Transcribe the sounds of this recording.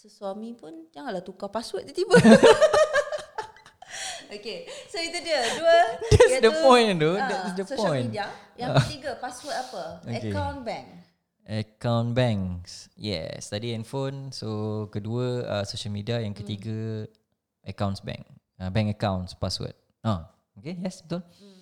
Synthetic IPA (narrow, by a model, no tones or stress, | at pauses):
soswamipund͡ʒaŋaʔlat̪ukapaswət̪̚kət̪ibə | okesoit̪udiəduədɛtsdəpɔ̃jndodɛtsdəspɔjniajaŋt̪iɡəpaswət̪apəokekawnbɛ̃ŋ | əkãwnbɛ̃ŋsjɛ̰st̪adiɛ̃nfonsokəduəə̰soʃəlmidiajãŋkət̪iɡə | ʔəkãwnsbɛ̰̃ŋk | abɛ̃ŋkəkãw̃nspaswə̰t̪̚ | a | okejɛst̪on